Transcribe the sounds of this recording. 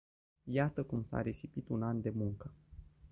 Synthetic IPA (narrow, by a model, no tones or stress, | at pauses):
jat̪əkumsa̰ɾe̞sipit̪unand̪e̞muŋkə